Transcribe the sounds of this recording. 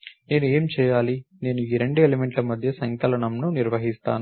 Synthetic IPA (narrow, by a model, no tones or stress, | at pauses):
ne̞ːnue̞ːmt͡ʃɛːjaːline̞ːnuiːɾeɳɖuelemeɳʈlɐmɐd̪ʱjɐsɐŋkɐlɐɳɐmnuniɾʋɐɦist̪a̰ːnu